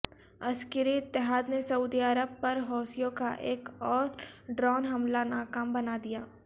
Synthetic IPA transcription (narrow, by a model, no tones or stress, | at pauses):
ɐskəɾiɪt̪ːɪɦaːd̪nesɐuːd̪iɐɾəb̚pɐɾɦɔːsijõka̰ʔeːkɔːɾɖɾɔːnɦɐmlanaːkaːmbɐnad̪ijaː